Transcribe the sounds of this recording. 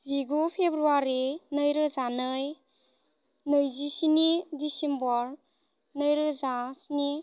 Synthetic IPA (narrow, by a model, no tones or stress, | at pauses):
ziɡupʰebɾuaɾinɯjɾɯzanɯj | nɯjzisinidisimbɔɾ | nɯjɾɯzasini